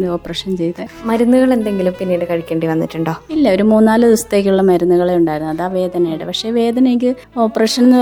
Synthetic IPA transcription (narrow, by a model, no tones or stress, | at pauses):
d̪oːpːrɐʂɐnt͡ɕe̞jt̪ːɨmɐɾunːuɣɐɭe̞nd̪e̞ŋɡilumpinːijiɽɨkɐɻikʲːeːɳɖiʋɐnːḭtːuɳɖo̞ːilːɐo̞ɾumuːnːaːlɨd̪ust̪ːe̞ːk̬ʲːuɭːɐmɐɾunːuɣɐɭe̞uɳɖaːjiɾunːuɐðaːʋe̞ːd̪ʱɐnɐjiɽɨpɐkʂe̞ʋe̞ːd̪ʱɐnɐeŋɡɨ | o̞ːpːrɐʂɐnenː